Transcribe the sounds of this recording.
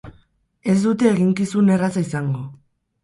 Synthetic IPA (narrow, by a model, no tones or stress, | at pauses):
e̞zd̪ut̪e̞ːɣiŋkisune̞rasaisaŋɡo̞